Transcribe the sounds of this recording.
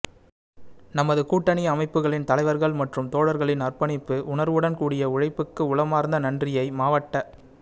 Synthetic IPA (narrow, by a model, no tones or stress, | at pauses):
nɐmɐðɯkuːʈːɐɳiɐmɐɪpːɯɣɐɭɪnt̪ɐlɐɪʋɐɾɣɐɭmɐʈrɯmt̪oːɽɐɾɣɐɭɪnɐrpɐɳɪpːɯʔʊɳɐɾʋɯɽɐnkuːɽɪjɐʊɻɐɪpːɯkːɯʊɭɐmaːɾnd̪ɐnɐndrɪjɐɪmaːʋɐʈːɐ